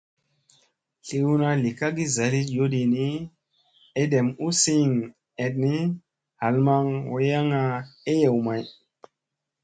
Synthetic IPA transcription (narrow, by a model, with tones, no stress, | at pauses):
ɬi˨wu˦na˨li˨ka˦ɡi˦za˨ɾi˦jo˦di˨ni˦ | e˦de˨mu˦si˦ŋ | e˨t̚ni˦ | ha˨lma˦ŋwo˨ja˦ŋa˨e˦je˨wma˨j